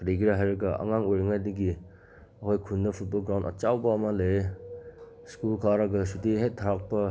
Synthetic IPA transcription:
kɾiɡiɾaɦajɾɐɡɐʔɐ̰ŋaŋojɾiŋajdɐɡi | ɐkʰojkʰunːɐpʰut̚bɐlɡɾaw̃ndɐ̰t͡ʃawbɐːmɐle | skulkʰaɾɐɡɐsutiɦetʰːaɾak̚pɐ

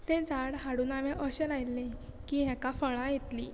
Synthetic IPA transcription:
t̪ẽd͡zaɽɦaɽuːnaʋɛ̃ʔəɕelajlːe | kiːɦɛ̃kafəɭãjet̪lḭ

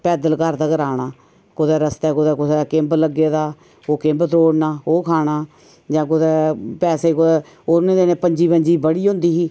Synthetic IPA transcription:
pɛːd̪əlkəɾd̪aːkəɾaːɽ̃aː | kʊd̪ɛːɾəst̪ɛːkʊd̪ɛːkʊseːkẽːmbləɡːeːd̪aː | oːkẽːmbət̪ɾoːɽnaːoːkʰaːɽaː | d͡ʒãːkʊd̪ɛːpɛːseːkʊd̪ɛː | oːnẽːd̪eːnẽːpəɲd͡ʒiːbəɲd͡ʒiːbəɽiːɦõnd̪iːɦiː

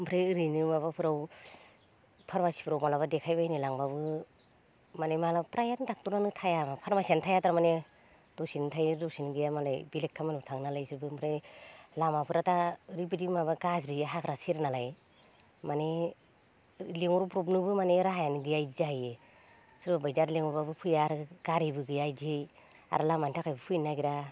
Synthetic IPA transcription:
mpʰɾajɯɾinɯmaβapʰɯɾaw | pʰaɾmasi̥pʰɾawmalaβadekʰajbajnilaŋbabɯ | manemalapɾajandak̚tunanɯtʰajamapʰaɾmasiantʰajataɾamane | d̥ɔsintʰajdɔsinɡijamalajbilekʰːamanutʰaŋnalajsɯɾbɯmpʰɾajnlamapʰɯɾataɾip̬idimabaɡazɾiɦakɾasiɾnalaj | mane | leŋɔɾpɾɔp̬nɯbɯmaneɾaɦajanɯɡɯjajzaaje | sɯɾbabajdaɾleŋɔɾbabɯpʰɯjaɾɡaɾijbɯɡɯjajdiɯj | a̰ɾalamantʰakajbɯpʰɯjnaɡiɾa

